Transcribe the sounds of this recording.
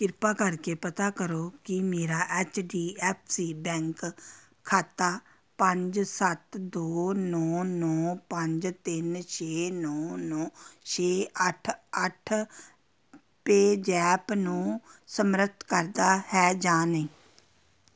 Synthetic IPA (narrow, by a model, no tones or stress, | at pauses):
kɪɾpaːkəɾkeːpət̪aːkəɾoːkɪmeːɾaːʔɛːt͡ʃɖiːɛːpʰsiːbɛ̃ːŋk | kʰːaːt̪aː | pəɲd͡ʒsət̪d̪oːnɔːnɔːpəɲd͡ʒt̪ɪnt͡ʃʰeːnɔːnɔ̃ːt͡ʃʰeːəʈʰəʈʰ | peːd͡ʒɛːpnũːsəmɾət̪ʰkəɾd̪aːhɛːd͡ʒaːnẽː